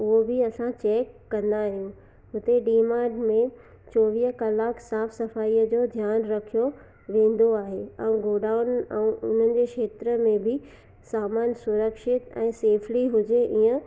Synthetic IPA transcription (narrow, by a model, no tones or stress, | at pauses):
ʊɦobɪɐsãt͡ɕeːkːɐ̃nd̪aːɦijũ | ɦʊt̪eɖiːmaːɖmẽ | t͡ɕɔːʋiːɦəkɐlaːkʰsaːfsɐfaːiːəd͡ʑoːd̪ʱjaːnɾɐkʰijo | ʋẽːn̆d̪oaːɦeɛ̃ũɡoːɖaːʊnɛ̃ʔʊn̤ənɪ̆d͡ʑeːkʃeːt̪ɾəmẽbɪ | saːmaːnsʊɾəkʃɪt̪ɛ̰̃ːseːfʰliɦʊd͡ʑeʔiːə̃